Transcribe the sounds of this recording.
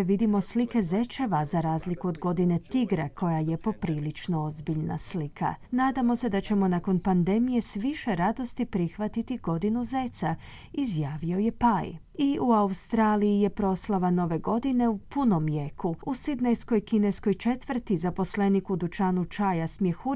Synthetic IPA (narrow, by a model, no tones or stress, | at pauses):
ʋid̪imo̞slike̞ze̞t͡ʃe̞ʋazaɾaːzlikuod̪ɡo̞d̪ine̞t̪iɡɾekʰo̞jajepo̞pɾiːlit͡ʃno̞ozbiʎna̰slikʰa̰naːd̪amo̞se̞d̪at͡ʃe̞mo̞nako̞npand̪e̞mije̞sʋiʃe̞ɾad̪o̞st̪ipɾixʋat̪it̪iɡo̞d̪inuze̞t̪sa | izjaːʋio̞je̞paj | iuaust̪ɾaːlijije̞pɾo̞slˠaʋano̞ʋe̞ɡo̞d̪ine̞upuno̞mjekuusid̪nejsko̞jkinesko̞jt͡ʃe̞t̪ʋr̩t̪izapo̞sle̞nikud̪ut͡ʃaːnut͡ʃajasmjexu